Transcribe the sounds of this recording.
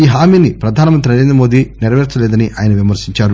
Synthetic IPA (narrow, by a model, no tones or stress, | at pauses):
iːɦaːmiːnipɾɐd̪ʱaːnɐmɐnt̪̬ɾinɐɾeːnd̪ɾɐmoːd̪iːniɾɐʋɛːɾt͡ʃɐlɛːd̪ɐniʔa̰ːjɐnɐʋimɐɾsiɲt͡ʃaːɾu